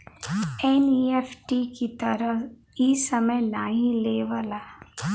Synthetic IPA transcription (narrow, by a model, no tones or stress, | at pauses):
ɛnieːfʈikit̪ɐɾəɦ | iːsɐməjnaɦĩleːʋaːla